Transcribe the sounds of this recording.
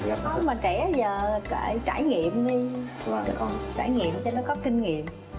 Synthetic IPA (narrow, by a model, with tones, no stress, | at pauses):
zaː˨˩kɔ˨˦maː˨˩t͡ɕɛ˧˩zəː˨˩kaː˧˩jt͡ɕaː˧˩jŋḭ˧˨əmɗi˧ | və˨˩˨t͡ɕaː˧˩jŋḭ˧˨əmt͡ɕɔ˧nɔ˨˦kɔ˨˦ki˧nŋḭ˧˨əm